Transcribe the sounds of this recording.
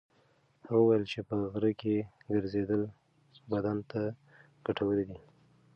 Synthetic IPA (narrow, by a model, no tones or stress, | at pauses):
haɣawəwajəlt͡ʃepəɣɾəkeɡəɾzed̪əl | bad̪ant̪a | ɡ̥aʈawəled̪i